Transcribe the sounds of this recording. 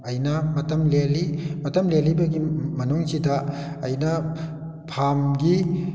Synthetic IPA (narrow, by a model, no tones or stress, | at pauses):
ɐjnɐmɐtɐmlelimɐtɐmlelibɐɡimɐnuŋsidɐː | jnɐ | pʰamɡi